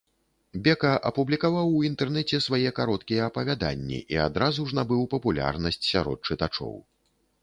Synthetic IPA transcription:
bʲɛkɐʔɐpublʲikavawint̪ɛrnɛt͡sʲɛsvajɛkaɾɔt̪kʲijɛɐpɐvʲad̪a̰nʲːḭʔiad̪ɾazuʐnabɨwpɐpulʲa̰rnɐsʲt͡sʲsʲaɾɔ̰t̪̚t͡ʂɨt̪at͡ʂɔ̰w

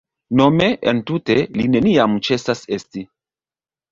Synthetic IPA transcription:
no̞me̞ʔentuteline̞niamt͡ʃe̞sasesti

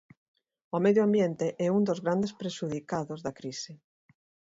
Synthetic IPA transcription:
omɛðjoambjent̪eʔɛund̪ozɣɾand̪espɾeʃuðikaðozðɐkɾisɪ

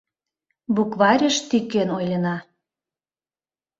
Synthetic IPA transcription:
bukβɑɾʲə̆ʃt̪ykːenojlʲə̆nɑ

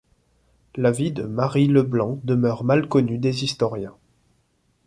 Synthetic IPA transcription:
lavid̪əmaʁiləblɑ̃d̪əmœʁmalkɔnyd̪ezist̪ɔʁjɛ̃

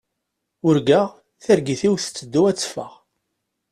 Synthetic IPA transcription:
ʊɾɡəʁ | θəɾɡiθiwθə̥t͡sːəd̪ːuæt͡sːfə̰ʁ

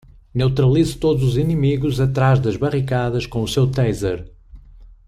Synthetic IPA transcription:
newt̪ɾɐlˠizut̪oðuzuzinɨmiɣuzɐt̪ɾaʒðɐʒβɐʁikaðɐʃkõusewt̪ɛjzɐɾ

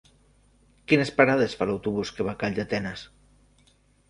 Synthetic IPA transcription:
kinespaɾaðesfalawt̪uβuskeβakaʎʲd̪et̪ɛnas

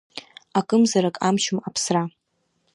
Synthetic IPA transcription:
akʼɨmzaɾakʼamʃʊmapʰsra

